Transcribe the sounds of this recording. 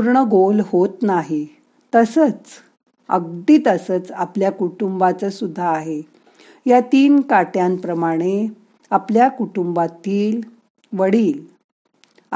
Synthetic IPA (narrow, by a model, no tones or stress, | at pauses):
puɾɳəɡolhot̪naɦi | t̪əsət͡s | ə̰ɡ̚d̪iːt̪əsət͡sapljakuʈumbat͡səsud̪ʱːaːɦe | jat̪iːnkaʈjãnpɾəmaɽ̃e | apljakuʈumbat̪iːl | ʋəɽiːl